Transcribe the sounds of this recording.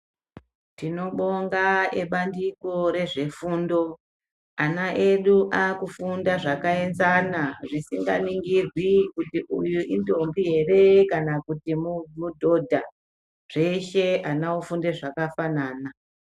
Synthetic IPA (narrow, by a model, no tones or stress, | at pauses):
tino̞ɓo̞ŋɡaeɓandiko̞ɾe̞ʐe̞fuːndo̞ | anaʔeɗuʔakufundaʐakae̞nzanaʐisiŋɡa̰niŋɡirwikutiʔujuʔindombiɦe̞re̞kanakutimumudʱo̞dʱa | ʐ̥e̞ʃe̞anaufundeʐakafanaːna